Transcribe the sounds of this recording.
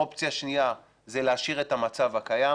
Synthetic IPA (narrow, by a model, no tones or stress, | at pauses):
opt͡sjaʃnia | zeleaʃiʁe̞tamat͡savhakaja